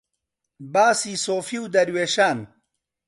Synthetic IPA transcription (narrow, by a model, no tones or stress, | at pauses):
baːsisoːfiwd̪ɐɾweːʃaːn